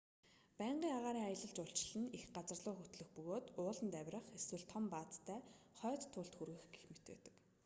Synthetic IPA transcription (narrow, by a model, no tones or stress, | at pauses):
pæːɴɢiːŋaʁaːɾiːŋajə̆ɮə̆ɬt͡ɕʊɬt͡ɕɪ̆ɮɘ̆nixɢat͡sə̆rɮʊːxut̪ɮɵ̆xpɵɣoːt̪ʊːɮə̆nt̪æwʲrə̆χeswɘ̆ɮt̪ʰɔmpaːt͡s̪t̪ʰːæːχœːt̪ʰːʊːɬt̪xurɣɘ̆xɡexmet̪ḛːt̪ɘ̥̆k